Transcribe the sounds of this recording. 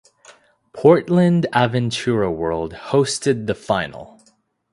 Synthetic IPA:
pʰɔɹtˡlɨ̃ndævɨ̃ntʰʉɹəwɜ˞lˠd̚hoʊstɨd̪̚ðɨfãɪ̃nl̩ˠ

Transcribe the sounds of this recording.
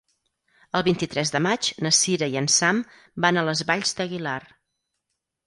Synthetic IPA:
əlˠβint̪it̪ɾɛzðəmat͡ʃnəsiɾəiənsam | banələzβaʎzd̪əɣilar

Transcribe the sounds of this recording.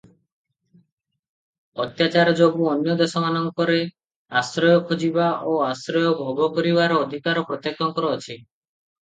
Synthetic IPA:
ɔt̪jat͡ʃaɾɔd͡ʒobuɔnjɔd̪esɔmanɔŋkɔɾe | asɾɔjɔkʰod͡ʒibaʔoasɾɔjɔbʱɔɡʱɔkɔɾibaɾɔːd̪ʱikaɾɔpɾɔt̪jek̚t̪ʰɔŋkɔɾɔːt͡ʃʰi

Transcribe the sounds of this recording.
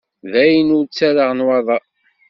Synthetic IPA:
ðæjənʊɾt͡sːæɾaʁnwɑðˤɑ

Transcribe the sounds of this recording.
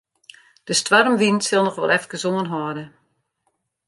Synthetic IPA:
d̥əstwarmʋinsɪlˠnɔχʋɔ̰lˠɛft̚ɡ̥əzoŋənɦɔdə

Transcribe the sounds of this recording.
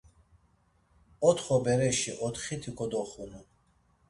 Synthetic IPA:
ɔt̪χɔbɛɾɛʃiʔɔt̪χit̪ʰikʰʼɔd̪ɔχunu

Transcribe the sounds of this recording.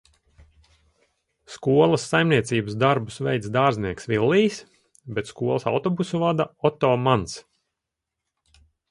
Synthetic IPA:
skuɔlˠɐsːajmniɛt̪siːbəsd̪aɾbusvɛjt̪sd̪aːɾzniɛksʋvilˠːiːs | bɛt̪skuɔlˠɐsa̰wt̪ɔbusuvad̪aɔt̪ɔːmans

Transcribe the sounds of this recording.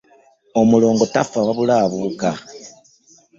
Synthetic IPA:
omulo̞ːŋɡo̞tafaβaβulaːβuka

